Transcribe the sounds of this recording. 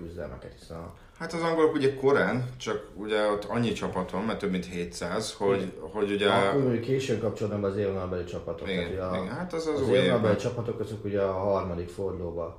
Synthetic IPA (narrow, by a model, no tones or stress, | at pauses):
kyzd̪ɛ̰lmʔɛ̰kɛt̪hi̥sɛ̰n̰ | hat̪ɒzɒŋɡolokuɟɛko̞ɾaːnt͡ʃɒkuɟɛot̪ːɒɲːit͡ʃɒpɒt̪ʰomːɛrt̪øbmint̪heːt̪saːzhoho̞ɟuɟɛkːojmoɲukːeːʃøːŋkɒp̚t͡ʃoɒd̪nabɒːzeːɾnɒbɛlit͡ʃɒpɒt̪omɛt̪uɟɛhat̪ɛzzzeːɾnobɛlit͡ʃɒpɒt̪o̞kɒzøkuɟɛɒɦɒrmɒd̪ikfo̞rd̪loːbɒ